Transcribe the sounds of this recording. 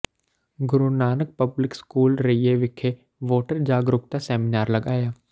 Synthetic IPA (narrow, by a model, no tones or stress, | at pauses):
ɡʊɾunaːnək̚pɐblɪkskuːlɾɐijeʋɪkʰe | ʋoːʈəɾd͡ʒaːɡɾʊkt̪asɛːmɪnaːɾlɐɡaːjaː